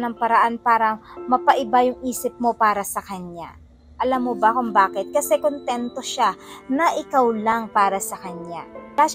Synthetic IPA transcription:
nɐŋpɐɾɐʔanpaːɾɐmɐpɐʔɪbajʊŋʔiːsɪp̚mo̞paːɾɐsɐkɐɲja̰ | ʔɐlamːobɐkʊmbaːkɪt̪̚kɐsɛkont̪ɛnt̪o̞ʃanɐʔɪkawlaŋpaːɾɐsɐkɐɲaa

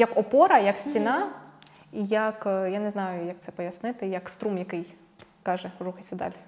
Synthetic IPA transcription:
jɐkɔpɔɾɐjɐksʲtʲinɑ | ijɐkjanɛznɑjʊjɐk̚t̪sɛpɔjɐsnɪt̪ɪjɐkst̪ɾumjɐkɪj | kɑʒɛruxɐsʲɐd̪a̰lʲ

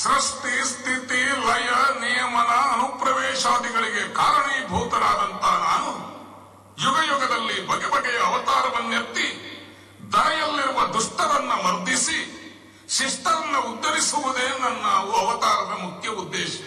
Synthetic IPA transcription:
ʃɾiʂʈist̪ʰit̪ilɐjɐnijɐmɐnɐːnupɾɐʋɛːʃaːd̪iɡɐɭiɡekaːɾɐɳiːbʱuːt̪ɐɾaːd̪ɐnt̪ɐnaːnu | juɡɐjɔɡɐd̪ɐlːibʱɐɡɛbɐɡɛjɐːʋɐt̪aːɾɐʋɐnːjɐt̪ːi | d̪ɐɾɐjɐlːiɾuʋɐd̪uʂʈɐɾɐnːɐmɐɾd̪ʱisi | ʃiʂʈɐɾɐnːɐud̪ːɐɾisuʋud̪eːnɐnːaːʋuɐʋɐt̪aːɾɐd̪ɐmukʰjɐud̪ːeːʃɐ

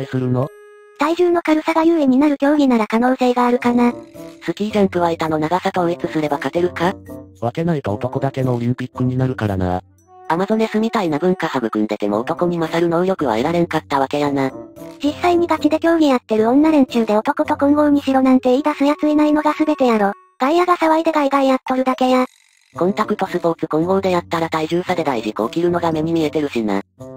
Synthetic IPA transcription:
sɨɾɯ̟no | d̪̥aiʑɨːno̞kaɾɯ̟saɡajɯːeɲ̟inaɾɯ̟kʲo̞ːɡʲinaɾakano̞ːse̞ːɡaːɾɯ̟kanasɨkʲiːʑãmkɯ̟βaet̪ano̞naɡasat̪oet͡sɨsɨɾe̞bakat̪e̞ɾɯ̟kaβake̞nait̪oot̪o̞ko̞d̪ake̞no̞oɾʲĩmpʲikːɯ̟ɲ̟inaɾɯ̟kaɾa̰na̰ɾa̰ | amazo̞ne̞sɨmʲit̪ainabɯ̟̃ŋkahabɯ̟kɯ̟̃nd̪e̞t̪emo̞̰ːt̪o̞ko̞ɲ̟ʲimasaɾɯ̟noɯjo̞kɯ̟βa̰eɾaɾe̞ŋkat̪ːaβake̞janad͡ʑisːaiɲ̟iɡakʲid̪e̞kʲo̞ːɡʲijat̪ːe̞ɾɯ̟õ̞nːaɾẽ̞ɲ̟t͡ɕɨːd̪e̞o̞t̪o̞kot̪o̞kõ̞ŋɡo̞ːɲ̟iɕiɾo̞nãnt̪e̞id̪asɨjat͡sɨinaino̞ɡasɨbe̞t̪e̞jaɾo̞ː | ɡ̪̥aijaɡasaβaid̪e̞ɡaiɡ̪aijat̪ːo̞ɾɯ̟d̪ake̞ja | kõ̞nt̪akɯ̟t̪o̞sɨpo̞ːt͡sɨkõ̞ŋɡo̞ːd̪e̞jat̪ːaɾat̪aiʑɨːsad̪e̞d̪aiʑiko̞ːkʲiɾɯ̟no̞ɡame̞m̟imʲie̞t̪e̞ɾɯ̟ɕina̰

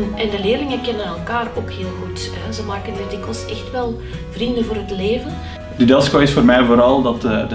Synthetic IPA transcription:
nɛndəleːrlɪŋəkɛnənɛlˠkaːroːkheːlˠɣutɦɛzəmaːkəndɪdɪkəlˠsɛxtʋɛlˠ | vrindəvoːɾɦətleːvən | dədɛlˠskoɪsfoːɾmɛjvoːɾɑlˠdɑtəd

